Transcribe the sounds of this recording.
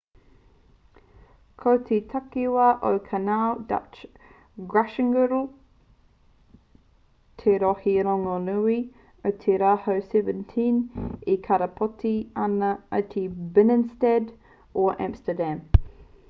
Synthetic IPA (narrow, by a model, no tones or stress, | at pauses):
kʰowtʰitʰakiwɐʔəkʰanalda̰t͡ʃ | ɡɹaʃəŋɡəɾl | tʰeɾɔhilɔŋonui | ətʰiɾahəsɛvəntʰĩnikʰaɾəpʰɔtʰianəatʰibɪnənstɛd | ɔʔæ̰̃mstədæm